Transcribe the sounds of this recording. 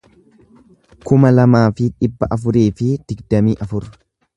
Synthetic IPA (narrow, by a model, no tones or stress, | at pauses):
kʊmɐlɐmaːfɪᶑɪbːɐʔɐfʊɾeːfɪd̪̥ɪɡd̪ɐmiːʔɐfʊɾ